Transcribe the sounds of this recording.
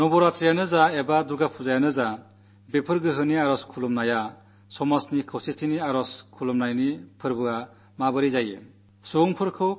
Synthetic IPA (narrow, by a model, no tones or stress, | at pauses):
nɔbɔɾat̪ʰɾijanɯzaebaduɾɡapʰuzajanɯza | bepʰɯɾɡɯɦɯniaɾɔskʰulɔmnaja | sɔmasnikʰɯwsitʰiniaɾɔskʰulɔmnajnipʰɯɾbɯa | mabɯɾizajḛ | suŋpʰɯɾkʰɯw